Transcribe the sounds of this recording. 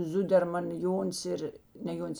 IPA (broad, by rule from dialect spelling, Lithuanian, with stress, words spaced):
ˈzʊdʲɛrmɐn ˈjoːnʲs ɪr nʲɛ ˈjoːnʲs